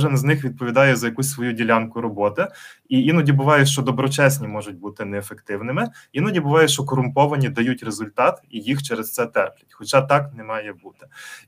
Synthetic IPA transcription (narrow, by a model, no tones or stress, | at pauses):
ɔʒɪnznɪxʋʲid̪̚pɔʋʲid̪ɑjɛzɐjɐkusʲsʋɔjudʲilʲankʊɾɔbɔt̪ɪijinɔdʲibʊʋɑjʊʃt͡ʃɔd̪ɔbɾɔt͡ʃɛsʲnʲimɔʒʊt̚ʲbut̪ɪnɛːfekt̪ɪwnɪmɪʋʲinɔdʲibʊʋɑjʊʃt͡ʃɔkɔɾʊmpɔʋɐnʲid̪ɐjutʲrezʊlʲt̪ɑt̪ijixt͡ʃɛɾest̪sɛt̪ɛpʲlʲɐtʲxɔt͡ʃɑt̪ɑknɛmɑjɛbut̪ɪ̥